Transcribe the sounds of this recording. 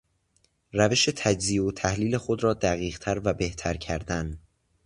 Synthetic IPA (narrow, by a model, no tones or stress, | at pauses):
ræve̞ʃe̞t̪ʰæd͡ʒziːot̪ʰæhliːle̞xod̪ɾɒːd̪æɣiːɣt̪ʰæɾvæbe̞ht̪ʰæɾcʰæɾd̪æn